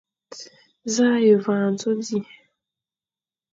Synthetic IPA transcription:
za˦je˨va˨n˨to˦di˦˨

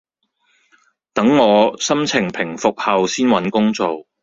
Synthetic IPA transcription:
t̪ɐ˨˥ŋːɔː˨˧sɐ˥mt͡sʰɪ˨˩ŋpʰɪ˨˩ŋfʊ˨k̚hɐ˨wsiː˥nwɐ˨˥nkʊ˥ŋt͡so˨w

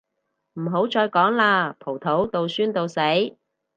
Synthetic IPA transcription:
m̩˨˩ɦo˨˥wt͡ʃɔː˧jkɔː˨˥ŋlaː˧pʰo˨˩wt̪ʰo˨˥wt̪o˨˧wsyː˥nt̪o˧wse˨˥j

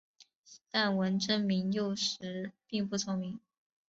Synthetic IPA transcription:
t̪a˥˩nwə˧˥nʈ͡ʂə˥nmi˧˥ŋjo˥˩ʊʂɻ̩˧˥pi˥˧ŋpu˥˩t͡sʰʊ˥ŋmi˧˥ŋ

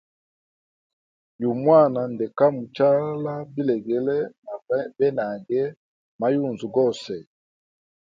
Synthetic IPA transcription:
ju˨mwa˦˨na˨ndɛ˨ka˦mu˨t͡ʃa˦la˦bi˦lɛ˨ɡɛ˨lɛ˦na˨˦bɛ˦na˨ɡɛ˦ | ma˨ju˦˨nzu˨ɡɔ˦˨sɛ˨

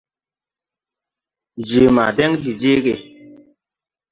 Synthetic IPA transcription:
d͡ʒe˨ma̰˨dɛ˦ŋdi˨d͡ʒe˦ɡe˨

